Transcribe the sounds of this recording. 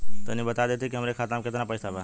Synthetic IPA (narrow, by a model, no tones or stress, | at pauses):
t̪ənibət̪ad̪et̪ʰikiɦəmɾekʰat̪amkɪt̪napəjsaba